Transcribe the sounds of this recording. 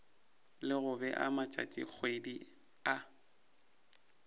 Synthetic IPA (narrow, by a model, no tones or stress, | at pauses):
lɪɣʊbɛʔa̰mat͡ʃʼa̰tʼḭk͡xʰwedi | a